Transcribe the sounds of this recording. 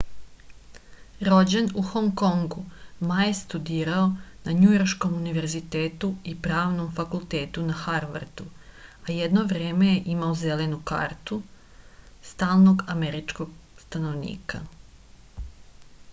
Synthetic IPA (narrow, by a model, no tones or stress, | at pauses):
ɾo̞d͡ʑenuxoŋko̞ŋɡumajest̪ud̪iːɾaonaɲujo̞ɾʃko̞muniʋe̞ɾzit̪e̞ːt̪uipɾaːʋno̞mfakulˠt̪e̞ːt̪unaxaɾʋa̰ɾd̪uajed̪noʋɾeːme̞jeʔimaoze̞le̞nuka̰ːɾt̪u | st̪aːlˠno̞ɡameɾit͡ʃko̞ɡst̪anoʋnḭːka̰